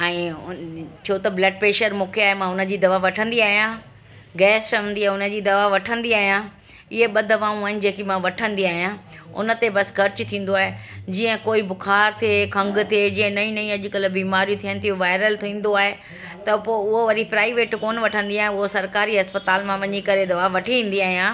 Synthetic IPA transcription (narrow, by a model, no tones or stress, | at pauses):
ɛ̃ː | t͡ɕʰoːt̪ɐblɛɖ̚peːʃəɾmũːkʰeaːɦemãʊnə̆d͡ʑiːd̪ɐʋaʋɐʈʰə̃nd̪iaːɦijã | ɡɛːst͡ɕɐʋə̃nd̪iaːɦeʊnə̆d͡ʑiːd̪ɐʋaʋɐʈʰə̃nd̪iaːɦijã | ɪɦeɓɐd̪ɐʋãːũaːɦɪnɪ̆d͡ʑeːkimãʋɐʈʰə̃nd̪iaːɦijãʊ̰nə̆t̪ebɐskʰɐɾt͡ɕt̪ʰĩːn̆d̪oaːɦed͡ʑiːə̃koːibʊkʰaːɾt̪ʰekʰɐ̃ŋɡt̪ʰied͡ʑĩːə̃nɐĩnɐĩɐʄʊkəlbiːmaːɾijũt̪ʰijənɪ̆t̪ʰijũʋaːɪɾəlt̪ʰĩːn̆d̪oaːɦe | t̪ɐpoːʊɦoʋɐɾipɾaːɪʋeːʈkoːnʋɐʈʰə̃nd̪iaːɦẽʊɦosɐɾkaːɾiɦɐspət̪aːlmãʋɐɲikɐɾed̪ɐʋaʋɐʈʰiĩːn̆d̪iaːɦijãː